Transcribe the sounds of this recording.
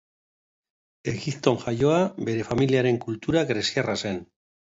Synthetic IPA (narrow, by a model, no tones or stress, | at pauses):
e̞ɣipt̪o̞ŋʝajo̞abe̞ɾe̞familiaɾe̞ŋkult̪uɾaɡɾe̞siarase̞n